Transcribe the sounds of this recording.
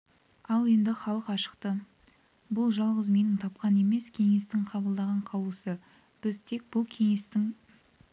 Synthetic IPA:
ɑlˠe̞nd̪ɪχɑlˠəqɑʃə̥qt̪ə | bʊlˠʒɑlˠʁəzme̞nɪŋt̪ʰɑp̚qɑne̞me̞skʲʰe̞ŋe̞st̪ɪŋqʰɑβəlˠd̪ɑʁɑɴqʰɑwlˠəsə | b̥ɪzt̪ʰe̞k̚bʊlˠkʲʰe̞ŋe̞st̪ɪŋ

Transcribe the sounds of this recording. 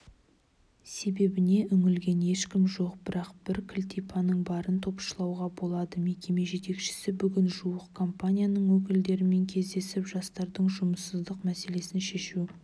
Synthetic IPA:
se̞be̞bɪne̞ʔʏŋɪlɡʲe̞ne̞ʃkʲɪmʒo̞qbɪɾɑqb̥ɪɾkʲʰɪlʲt̪ipʰɑnəɴbɑɾənt̪ʰo̞pʃəlˠɑwʁɑbo̞lˠɑd̪əme̞kʲe̞me̞ʒe̞t̪e̞kʃɪ̥sɪbʏɡʲɪnʒuəqkʰo̞mpanʲijanəɴwɵk̬ʲɪld̪e̞ɾɪme̞ŋkʲʰe̞zd̪e̞sɪpʒɑst̪ɑɾd̪əɴʒʊməsəzd̪əqmæse̞le̞sɪnʃe̞ʃu

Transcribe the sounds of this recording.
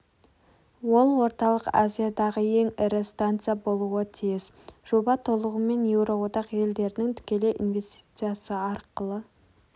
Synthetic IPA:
wo̞lˠwo̞ɾt̪ɑlˠəqa̰zʲijad̪ɑʁəe̞ŋɪɾɪst̪ant̪sɨjabo̞lˠuət̪ʰijɪz | ʒ̥o̞bɑt̪ʰo̞lˠəʁəme̞nje̞wɾowod̪ɑqje̞ld̪e̞ɾɪnɪŋt̪ʰʏ̥kʲe̞le̞ʔinvʲe̞st̪i̥t̪sɨjasəɑɾqəlˠə

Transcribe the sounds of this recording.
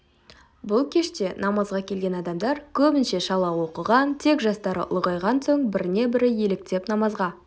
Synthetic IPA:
bʊlˠkʲʰe̞ʃt̪e̞nɑmɑzʁɑkʲʰelɡʲe̞nɑd̪ɑmd̪ɑɾkʲʰɵbɪnʃe̞ʃɑlˠɑwo̞qəʁɑnt̪ʰe̞kʒɑst̪ɑɾə̰ʔʊ̰lˠʁɑjʁɑnsoɴbɪɾɪne̞bɪɾɪje̞lɪk̚t̪e̞pnɑmɑzʁɑ

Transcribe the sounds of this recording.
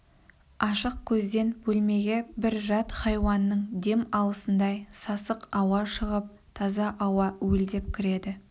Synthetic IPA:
ɑʃəq̚kʲʰɵzd̪e̞nbɵlme̞ɡʲe̞bɪɾʒɑt̪χɑjwɑnːəɴd̪e̞mɑlˠəsənd̪ɑjsɑsəqɑwɑʃəʁəp̚ | t̪ʰɑzɑʔɑwɑwɵld̪e̞pkʲʰɪɾe̞d̪ɪ

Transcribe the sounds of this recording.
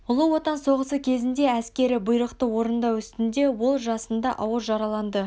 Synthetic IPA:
ʊlˠəwo̞t̪ɑnso̞ʁəsəkʲʰe̞zɪnd̪e̞æskʲe̞ɾɪbʊjɾəqt̪əwo̞ɾənd̪ɑwʏst̪ɪnd̪e̞wo̞lˠʒɑsənd̪ɑʔɑwəɾʒɑɾɑlˠɑnd̪ə

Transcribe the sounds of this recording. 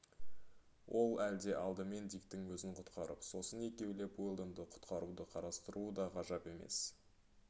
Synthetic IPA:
wʔo̞lˠæld̪e̞ʔɑlˠd̪əme̞nd̪ijkt̪ɪŋwɵzɪɴqʰʊ̥t̪qɑɾə̰pso̞səne̞kʲe̞wle̞pojlˠd̪ənd̪əqʰʊ̥t̪qɑɾud̪əqʰɑɾɑst̪əɾuəd̪ɑqʰɑʒɑpe̞me̞̰s

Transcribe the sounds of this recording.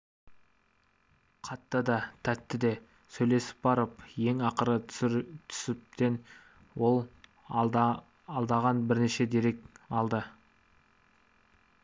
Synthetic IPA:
qʰɑt̪ːɑd̪ɑt̪ʰæt̪ːɪd̪e̞ | sɵjle̞sɪ̥p̚bɑɾəpje̞ŋɑqəɾət̪ʰʏ̥sɪp̚t̪e̞n | wo̞lˠ | lˠd̪ɑʁɑnbɪɾneʃe̞d̪e̞ɾe̞k̚ɑlˠd̪ə

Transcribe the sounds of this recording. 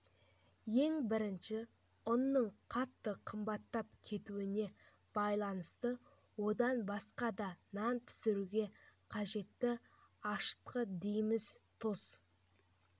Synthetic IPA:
je̞ŋbɪɾɪnʃɪ | ʊnːəɴqʰɑt̪ːəqʰəmbɑt̪ːɑp̚kʲʰe̞t̪uɪne̞ | b̥ɑjlˠɑnəst̪ə | wo̞d̪ɑnbɑsqɑd̪ɑnɑnpʰɪ̥sɪɾuɡʲe̞qʰɑʒe̞t̪ːɪ | ɑʃə̥t̪qəd̪ejmɪzt̪ʰos

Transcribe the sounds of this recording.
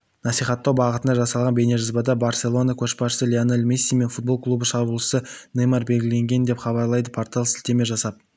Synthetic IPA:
nɑsijχɑt̪ːɑwbɑʁət̪ənd̪ɑʒɑsɑlˠʁɑnbe̞ne̞ʒɑzbɑd̪ɑbarsʲe̞lˠo̞nakʲʰɵʃbɑʃə̥səlʲeanelmisʲːijme̞nfut̪̚bo̞lˠklˠubəʃɑbulˠəsənɨjmɑɾbe̞lɡʲɪle̞ŋɡʲe̞nd̪e̞pχɑβɑɾlˠɑjd̪əpʰoɾt̪alˠsɪlt̪e̞me̞ʒɑsɑp̚

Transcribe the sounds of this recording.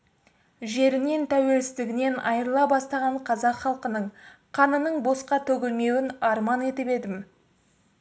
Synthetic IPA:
ʒe̞ɾɪne̞nt̪ʰæwe̞lsɪzd̪ɪɡʲɪne̞nɑjəɾəlˠɑbɑst̪ɑʁɑɴqʰɑzɑqχɑlˠqənəɴqʰɑnənəɴbo̞sqɑt̪ʰɵɡʲɪlme̞wɪnɑɾmɑne̞t̪ɪpe̞d̪ɪm

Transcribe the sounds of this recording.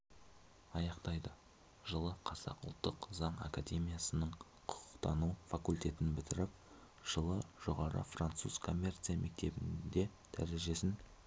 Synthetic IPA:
ɑjɑqt̪ɑjd̪ə | ʒəlˠəqʰɑzɑ̰qʊlˠt̪ːəqzɑɴa̰kad̪ʲe̞mʲijasənəɴ | qʰʊ̥qʰʊ̥qt̪ɑnufakulʲt̪ʲe̞t̪ɪnbɪt̪ɪɾɪp̚ | ʒ̥əlˠəʒ̥o̞ʁɑɾə̰frant̪suz̥kʰo̞mʲːe̞rt̪sɨjamʔe̞k̚t̪e̞bɪnd̪e̞d̪̥æ̰ɾe̞ʒe̞sɪn

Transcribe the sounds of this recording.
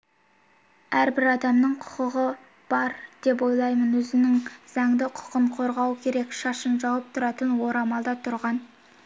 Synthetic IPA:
æɾbɪɾɑd̪ɑmnəɴqʰʊ̥qəʁə | b̥ɑɾd̪̥e̞p̬wo̞jlˠɑjmənwɵzɪnɪŋz̥ɑŋd̪ɪqʰʊ̥qəɴqʰo̞ɾʁɑwkʲʰe̞ɾe̞kʃɑʃənʒɑwəp̚t̪ʰʊɾɑt̪ənwo̞ɾɑmɑlˠd̪ɑt̪ʰʊɾʁɑn

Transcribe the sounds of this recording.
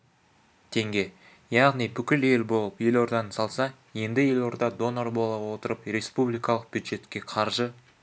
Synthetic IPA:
t̪ʰe̞ŋɡʲe̞ | jɑʁnijbʏkʲɪle̞lbo̞lˠəpje̞lo̞ɾd̪ɑnsɑlˠsɑ | je̞nd̪ɪje̞lo̞ɾd̪ɑd̪o̞narbo̞lˠɑwo̞t̪əɾəpɾe̞spublijkɑlˠəq̚b̥jud̪ʒe̞t̪kʲe̞qʰɑɾʒə

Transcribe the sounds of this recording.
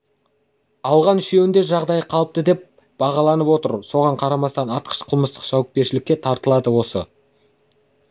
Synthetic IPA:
ɑlˠʁɑnʏʃe̞wɪnd̪e̞ʒɑʁd̪ɑjəqʰɑlˠəp̚t̪əd̪e̞p̚ | b̥ɑʁɑlˠɑnəpwo̞t̪əɾso̞ʁɑɴqʰɑɾɑmɑst̪ɑnɑt̪̚qʰə̥ʃqʰʊlˠməst̪ə̥qʒ̥ɑwəp̚kʲe̞ɾʃɪlɪkʲːe̞t̪ʰɑɾt̪əlˠɑd̪əwo̞sə

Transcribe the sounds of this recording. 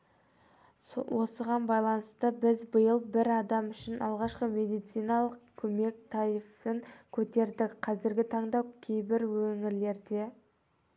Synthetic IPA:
wo̞səʁɑnbɑjlˠɑnəst̪əbɪzbəjəlˠbɪɾɑd̪ɑmʏʃɪnɑlˠʁɑʃqəme̞d̪ijt̪sijnɑlˠəq̚kʲʰɵme̞k̚t̪ʰɑɾijfəŋkʲʰɵt̪e̞ɾd̪ɪkqʰɑzɪɾɡʲɪt̪ʰɑɴd̪ɑkʲʰe̞jbɪɾwɵŋɪɾle̞ɾd̪e̞

